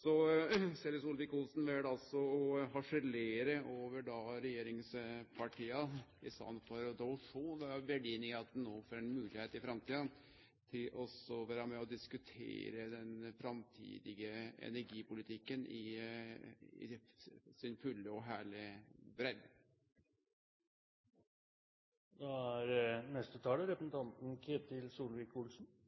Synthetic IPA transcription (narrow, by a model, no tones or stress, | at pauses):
sɔsɛlɪsʊlʋɪkʊlsn̩ʋɛd̪ɑlsɔɔɦɑʂəleːɾəʔoːʋəɖɑɾɛjeːɾɪŋspʰɑʈʰiːəɪst̪ɑ̰nfɔɾd̪ɔʊʂuːnʋɑbɛɖiːnɪɑt̪̚d̪ɛnnoːfoɾɛnmʉːlɪheːt̪ɪfɾɑmt̪ʰiːd̪ən | t̪ʰɪlɔsɔʋæːɾɑmɛɔd̪ɪskʉt̪ʰḛːɾəd̪ɛnfɾɑmt̪ʰḭːd̪ɪɡəɛ̰næɾɡiːpʊlɪt̪ʰɪkːənʔɪ | ɪ̰sɪnfʉlːəɔɦæːɭɪbɾɛlː | d̪ɑæɾnɛst̪ət̪ʰɑːləɾɛpəsn̩t̪ʰɑnt̪n̩kʰeːt̪ɪlsuːlʋɪkʰːulsn̩